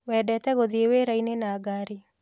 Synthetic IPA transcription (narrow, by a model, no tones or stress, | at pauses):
wɛɖɛt̪ɛɣoðieweɾainenaːɡaːɾi